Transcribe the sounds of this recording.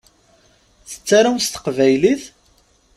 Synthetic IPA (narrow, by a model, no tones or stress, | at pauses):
θə̥t͡sːaɾawst̪ə̥qvæjliθ